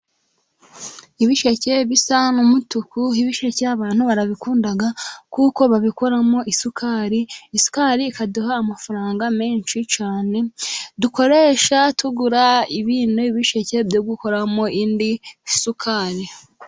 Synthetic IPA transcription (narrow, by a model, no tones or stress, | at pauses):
iβiʃece̞βisanumutukuiβiʃeceaβaːn̥huβaɾaβikuːndaɡakuko̞βaβiko̞ɾamo̞ʔisukʰaɾiisu̥kaɾiːkaduɦaːmafaɾaːŋɡame̞ːnʃit͡ʃaːne̞duko̞ɾe̞ːʃatʰuɡuɾaiβiːndoiβiʃece̞bɟoɡuko̞ɾamo̞ʔindisukʰaɾi